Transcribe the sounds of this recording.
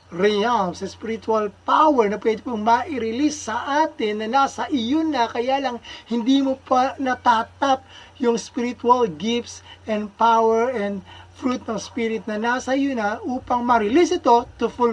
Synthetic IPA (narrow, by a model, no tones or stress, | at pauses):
ɾɪamsɐspɪɾɪt̪ualpawɛɹnɐpwɛd̪ɪpomɐʔɪɾɪlisːɐʔaːt̪ɪnːɐnaːsɐʔɪjonɐkɐjaːlɐŋhɪnd̪imopɐnɐt̪aːt̪ɐp̚ | jʊŋspiɾɪt̪ʊɐlɡɪft̪sʔɛnd̪̚pawɛɹɛnd̪fɾut̪̚nɐŋspiɾɪt̪̚nɐnaːsɐʔɪjonɐʔuːpɐŋmɐɾɪlisɪt̪o̞t̪ʊfu